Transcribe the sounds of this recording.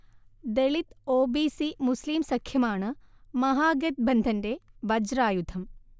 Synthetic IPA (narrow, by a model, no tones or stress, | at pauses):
d̪eɭit̪oːbiːsimusliːmsɐkʰjɐmaːɳɨmɐɦaːɡɐt̪̚bɐnd̪ʱɐndeʋɐd͡ʒɾaːjud̪ʰʱɐm